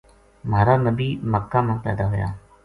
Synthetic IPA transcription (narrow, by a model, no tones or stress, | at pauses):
maːɾaːnəbiːməkːãːmãːpɛ̰ːd̪aːɦʊja̰ː